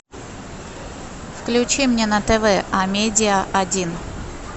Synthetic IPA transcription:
fklʲʉt͡ɕimnʲenət̪ɛvɛʔɐmʲedʲɪəʔɐdʲin

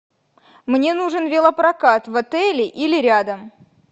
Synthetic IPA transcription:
mnʲe̞nuʐɨnvʲɪlˠəpɾɐkat̪vɐt̪ɛlʲɪʔilʲɪɾʲad̪əm

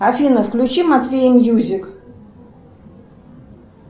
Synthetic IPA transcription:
afʲinəfklʲʊt͡ɕimat̪vʲejɪmjuzʲɪk

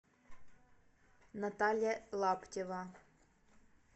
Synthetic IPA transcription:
nɐt̪ɑlʲjɐlˠɑptʲeʋɐ

